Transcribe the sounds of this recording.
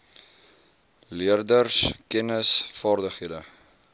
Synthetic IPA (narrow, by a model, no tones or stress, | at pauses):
liərdərskɛnəsfɑːrdəχɦiədə